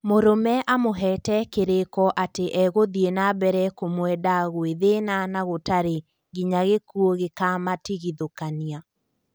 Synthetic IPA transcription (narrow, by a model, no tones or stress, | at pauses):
moɾomɛʔamoɦɛːtɛkeɾekɔʔateʔɛɣoðienabɛɾɛkomwɛdaɣweðenanaɣotaɾe | ɡiɲaɣekuoɣekamatiɣiðokania